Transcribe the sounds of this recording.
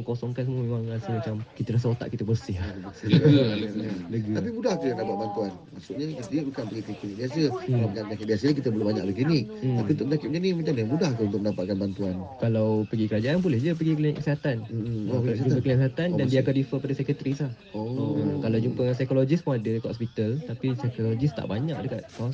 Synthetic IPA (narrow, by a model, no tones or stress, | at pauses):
əŋkosɔŋkansəmuəmemaŋɾasəmat͡ʃamkit̪əɾas̬əot̪a̰ʔkit̪əbərsɪhaəsɪ | aləɡiap̬imudahkəjandabaʔ̪̚bant̪uanmaʔsuʔɲəkit̪ədiadəkanpəɡikəkuɲiʔ̚diasəampəŋanməɲakɪdiasəɲkit̪əbəlubaɲa̰k̚bəɡinit̪ːapiunt̪ʊk̚əɲakɪp̚ɲənimat͡ʃamdiamudahkəunt̪ʊk̚əndapat̪̚kanbant̪uankalawpəɡikəɾad͡ʒaʔanpulɛhd͡ʒəp̬əɡikəliɲʔkəsiɦat̪an | ad͡ʒupəkəliksiɦat̪andandiaakandifəpadasɛkət̪ɾisah | ookalawd͡ʒumpəs̬ajkolod͡ʒispuadəkoɔspit̪alt̪apisajkolod͡ʒist̪a̰ʔbaɲãʔdəkat̪̚as